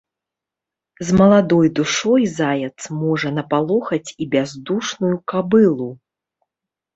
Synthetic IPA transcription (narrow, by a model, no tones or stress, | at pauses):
zmɐlˠad̪ɔjd̪uʂɔjzajɛt̪smɔʐɐnɐpalˠɔxɐt͡sʲibʲazd̪uʂnujukabɨlˠu